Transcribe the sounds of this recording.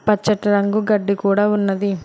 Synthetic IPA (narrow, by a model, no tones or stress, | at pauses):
pɐt͡ʃːɐʈɐɾɐŋɡuɡɐɖːikuːɽaːunːɐd̪i